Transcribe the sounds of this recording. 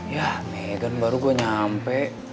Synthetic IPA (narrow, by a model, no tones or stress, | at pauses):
jameɡənbaɾuɡuaɲampɛʔ